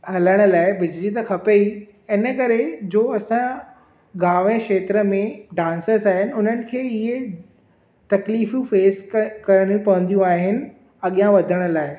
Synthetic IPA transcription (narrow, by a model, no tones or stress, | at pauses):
hɐləɽ̃ə̆laːɪbɪd͡ʑlit̪ɐkʰɐpei | ɪnəkɐɾed͡ʑoːɐsã | ɡaːʋẽkʃeːt̪ɾə̆mẽɖãːnsəzaːɦɪnɪ̆ʊnənɪ̆kʰeːɪɦe | t̪ɐkliːfjũfeːskɐɾəɽ̃ũpɐʋə̃nd̪ijũaːɦɪnɪ̆ | ɐɠijãʋɐd̪ʱəɽ̃ə̆laːɪ